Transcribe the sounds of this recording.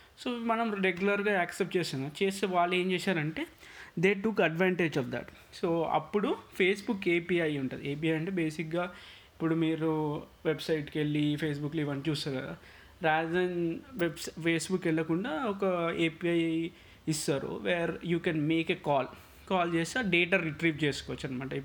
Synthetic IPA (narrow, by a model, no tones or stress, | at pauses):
soːmɐnɐmɾeɡjulɐɾɡaːɛːksep̚ʈt͡ʃeːsinaːt͡ʃeːseʋaːɭːe̞ːmt͡ʃeːsaːɾɐɳʈe̞ː | d̪e̞ːʈukɐɖʋaːɳʈed͡ʒɔːfd̪ɐ̰ʈ | soːɐ̰pːuɽupʰe̞ːsbukːeːpiːɐjuɳʈṵnd̪ieːp̬iːɐjɐɳʈeːbe̞ːsikɡaː | ipːuɽumiːɾuʋebsɐjʈkeɭːipʰeːs̬bukːliʋɐnt͡ʃuːsaːɾkɐd̪a̰ | ɾaːd̪ɐnʋebspʰeːsbukːɛɭːɐkuɳɖaːɔkɐeːpiɐj | isaːɾṵʋeːɾjuːkɛnmeːkeːkaːl | kaːlt͡ʃeːsaːɖeːʈaːɾiʈɾiːʋt͡ʃe̞ːsu̥kɔʋɐt͡ʃːɐnɐmɐːʈɐipː